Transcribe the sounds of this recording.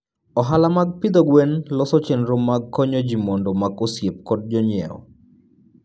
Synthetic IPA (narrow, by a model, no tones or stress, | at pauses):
ɔɦalamaɡ̚pid̪oɡwenlɔsɔt͡ʃɛnɾomːaɡkːɔɲɔd͡ʒimɔndɔmaɡosjep̚kɔd̚d͡ʒɔɲjɛ̰ɔ̰